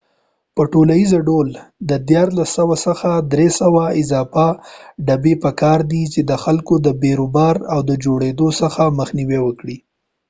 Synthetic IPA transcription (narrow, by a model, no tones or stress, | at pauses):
pəʈolajizaɖold̪əd̪jɑɾlasːəwasəxad̪ɾesawaɪzɑfaɖabepəkɑɾd̪it͡ʃed̪əxalkod̪əbeɾobɑɾawd̪əd͡ʒoɽed̪osəxaməxniwewəkɽi